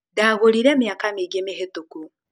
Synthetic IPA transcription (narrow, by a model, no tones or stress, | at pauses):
daɣoliɾeːmjaːkamiɡemiɦetuku